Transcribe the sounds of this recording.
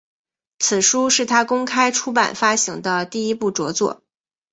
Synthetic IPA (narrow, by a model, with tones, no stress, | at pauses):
t͡sʰɹ̩˨˩ʂu˥ʂɻ̩˥˩t̪ʰa˥kʊ˥ŋkʰa˥ɪʈ͡ʂʰu˥pa̰˨˩nfa˥ɕi˧˥ŋd̪ə˧t̪i˥˩i˥pu˥˩ʈ͡ʂwɔ˧˥t͡swɔ̰˥˩